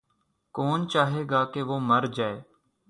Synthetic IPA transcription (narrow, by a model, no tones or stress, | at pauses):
koːnt͡ʃaːɦeːɡaːkeːʋoːməɾd͡ʒaːeː